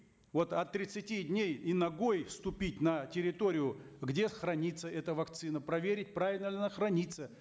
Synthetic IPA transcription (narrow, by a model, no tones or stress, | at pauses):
vo̞t̪ɐt̪ːɾʲɪt̪sɨtʲidʲnʲejinɐɡojfst̪ʊpʲitʲnətʲɪɾʲɪt̪oɾʲɪjʊ | ɡdʲe̞xɾɐnʲit̪səɛt̪əvɐkt̪sɨnəpɾɐvʲeɾʲɪt̚ʲpɾavʲɪlʲnəlʲnnəxɾɐnʲit̪sə